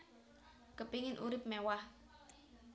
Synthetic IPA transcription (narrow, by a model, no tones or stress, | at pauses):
kəpiŋɪnʔṵɾɪp̚mɛwah